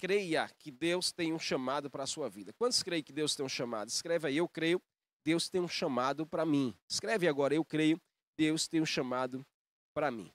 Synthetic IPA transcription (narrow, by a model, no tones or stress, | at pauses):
kɾejɐkɪd̪ewst̪ẽj̃ũʃɐ̃mad̪ʊpɾɐːsuɐvid̪ɐkwɐ̃nt̪ʊskɾejkɪd̪ewst̪ẽj̃ũʃɐ̃ma̰d̪ʊɪskɾɛvɐiewkɾejʊ | d̪ewst̪ẽj̃ũʃɐ̃mad̪ʊpɾɐmĩɪskɾɛviaɡɔɾɐewkɾejʊ | ɪd̪ewst̪ẽj̃ũʃɐ̃mad̪ʊ | pɾɐmḭ̃